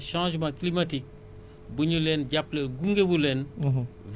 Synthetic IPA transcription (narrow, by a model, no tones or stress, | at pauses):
ʃãʒmãklimatik̚ | buɲulenɟaplelɡuŋɡebulenv